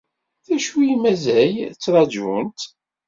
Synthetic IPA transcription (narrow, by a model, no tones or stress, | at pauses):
θæʃwijimæzæjt͡sːɾˤɑd͡ʒunt̪